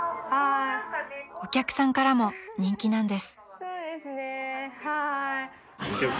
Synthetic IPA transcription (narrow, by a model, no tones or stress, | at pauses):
ha | o̞kʲakɯ̟̥sãŋkaɾamo̞ɲ̟ĩŋkʲinãnd̪e̞sɨ̥soːd̪esɨnehai